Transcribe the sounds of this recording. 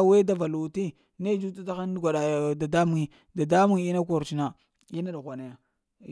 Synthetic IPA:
we˦da˦va˨lu˨ti˦ | ne˦d͡ʒu˦t̬u˦ta˦xa˦n˦ɡʷa˨ɗa˨da˨da˦mu˦ŋi˨ | da˨da˦mu˦ŋi˦na˦ko˨ɾt͡ʃi˦na˨ | i˦na˦da˨ɣʷa˨na˨ja˨

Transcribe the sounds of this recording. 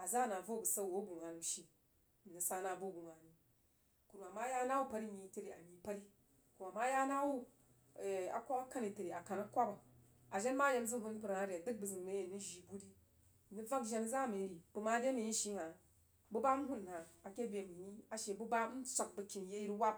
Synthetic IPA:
a˨za˦na˨vo˦˨bu˨sa˦˨wo˦ɡu˨ŋa˨n˨m˨ʃi˨ | ni˨sa˦na˨bu˦˨ɡu˨ŋa˨ni˨ | ku˨ɾu˨a˨ma˦ja˦na˦wu˦pɐ˨ɾi˦˨ɲi˨te˦ɾi˨a˨ɲi˨pɐ˦ɾi˦ | ku˨ɾu˨a˨ma˦ja˦na˦wu˦˨ | a̰˨kʷːa˦ka˦ka˦ni˨te˨ɾi˨a˨ka˨na˦kʷa˦ka˨ | a˨ʒe˦n˦ma˦je˧m˦zɨ˦ɦu˦n˦pu˨ɾa˨˦ɾʲe˨dɨ˦k̚bu˨zɨ˨nme˦je˨ni˦ʒi˨bu˦di˦˨ | ni˦b͡va˦kʒe˦n˦za˦me˨˦ɾi˨b̥u˨ma˦dʲe˦ni˨ji˦ʃi˦ŋa˨ | bu˦ba˦m̩˦ɦu˦n˨haː˨kʲe˦bʲe˨mi˨ɲi˦a˨ʃe˨bu˦ba˦n̩˦t͡sʷa˨k̚bu˨kʲi˨n˦je˦ji˦ɾwa˦p̚

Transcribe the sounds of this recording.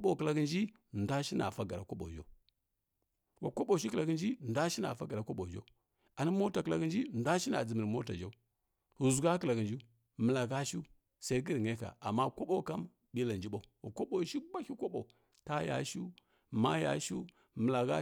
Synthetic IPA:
ɓo˨kə˨la˨ɡə˨nd͡ʒi˦ | n˨da˦ʃi˦na˨fa˦ɡa˨ɾa˨ko˦ɓo̰˨d͡ʒa̰˦ | wa˨ko˦ɓo˨ʃ̬i˦kla˨ɡə˨nd͡ʒi˦˨n˨da˦ʃi˦na̰˨fa˦ɡa˨ɾa˨kʷo˦ɓo˨d͡ʒa̰˦u˦ | a˨ni˦mo˦ta˨kə˨la˨ɡə˦nd͡ʒi˦˨n˨da˦ʃi˦na̰˨d͡zə˨mə˨ɾmo˦ta˨d͡ʒa˦u˦ | hu˨zu˨ɡa˦kə˦la˨ɡi˨nd͡ʒi˦ | mə˨la˨ɡa˦ʃu˦ | sa˦i˦ɡi˦ɾŋe˦ka̰˨a˨mːa˦ko˦ɓo˦˨ka˦m | bi˦la˨nd͡ʒi˦ɓo˦˨˦wa˨ko˦ɓo˨ʃi˦ba˦kʲi˦ko˦ɓo˨ | ta˦ja̰˨ʃu˦ | ma˦ja̰˨ʃu˦ | mə˨la˨ɡa˦

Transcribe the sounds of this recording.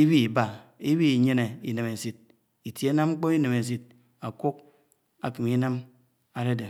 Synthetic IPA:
i˦bi˦i˨ba˨i˦bi˦i˨ɲe˦ne˨ḭ˨ne˨me˨si˦t̚ | i˨tje˦na˦mŋ͡m̩˦k͡po˦mi˦ne˨me˨s̬i˦t̚ | a˨ku˦k̚ | a̰˨ki˨mi˦na˦m | a˨˦de˦de˨

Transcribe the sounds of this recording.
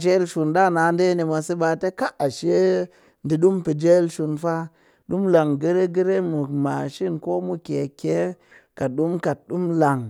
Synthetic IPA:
d͡ʒe˦lʃu˧nɗa˦˨na˨˦n˦de˦ni˧ma˧si˦ɓa˧te˦ka˦a˨ʃe˦ | ndi˨ɗu˦mpi˨d͡ʒe˦lʃu˧nfa˦ | ɗu˦mla˨ŋɡə˦ɾe˦ɡə˦ɾe˦mu˨ma˨ʃi˦˨nko˦mu˦ke˨ke˨˦ | ka˨ɗu˦mka˨t̚ɗu˦mla˨ŋ

